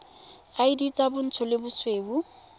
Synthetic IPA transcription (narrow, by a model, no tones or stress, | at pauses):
aidit͡sʼabʊn̩tʰʊlɪbʊsweːbu